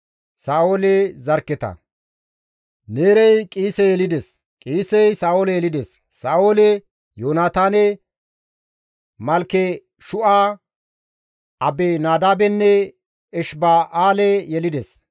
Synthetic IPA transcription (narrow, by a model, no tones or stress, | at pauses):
saːoːlɛzɐɾkːɛt̪ɐ̰ | neːɾɛjkʼiːsɛjɛlɪd̪ɛs | kʼiːsɛjsaːoːlɛjɛlɪd̪ɛsːaːoːlɛ | joːnaːt̪aːnɛ | mɐlkːɛ | ʃʊʔaː | ʔɐbenaːd̪aːbɛnːɛ | ɛʃbaːʔaːlɛjɛlɪd̪ɛs